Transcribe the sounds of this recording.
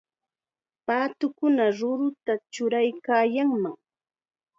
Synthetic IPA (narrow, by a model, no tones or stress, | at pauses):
paːt̪ʊkʊnaɾʊɾʊt̪at͡ʃʊɾajkaːjaŋmaŋ